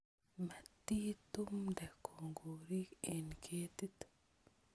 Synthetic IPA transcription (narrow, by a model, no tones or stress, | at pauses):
mat̪ːit̪umdakʰoŋɡoɾikenkʰet̪it̪